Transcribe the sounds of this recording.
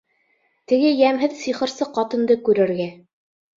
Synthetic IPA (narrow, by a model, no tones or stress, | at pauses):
t̪ɘ̆ɡɘjæmɦɘðsiχɤ̆ɾsɤqɑt̪ɤ̆nd̪ɤkʉɾɘ̆ɾɡæ